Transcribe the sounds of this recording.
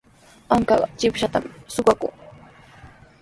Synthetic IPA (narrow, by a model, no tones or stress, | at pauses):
aŋkaɢt͡ʃɪpʃat̪amsʊɢakʊŋ